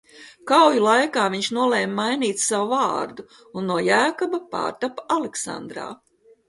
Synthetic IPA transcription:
kawjulˠajkaːviɲʃnuɔleːmːajniːt̪sawuvaːɾd̪u | unːuɔjæːkɔbapa̰ːɾt̪apaaleksa̰nd̪ɾa̰ː

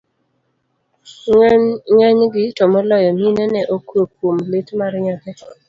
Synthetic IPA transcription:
ŋɛɲɡɪtɔmɔlɔjɔminɛnɛʔokwokwomlɪtmaɾɲakɛ

